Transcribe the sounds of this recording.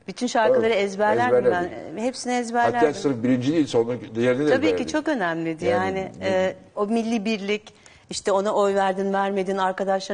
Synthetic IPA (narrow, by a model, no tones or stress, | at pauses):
b̥yt̪ʰynʃaɾkkɯlˠaɾɯɛzbæɾlʲæɾd̪ænvɛɦepsiniɛzbæɾlʲæat͡ʃt̪ʰaɾɯfbiɾind͡ʒid̪iːilʲsonad̪jeɾined̪ʰabiːcit͡ʃʰo̞kø̞næmlʲid̪ijaːnɪɛː | o̞milʲːibiɾlʲic | iʃt̪ʰɛo̞naʔo̞jvæɾd̪invæɾme̞d̪iːnaɾkad̪aʃlˠa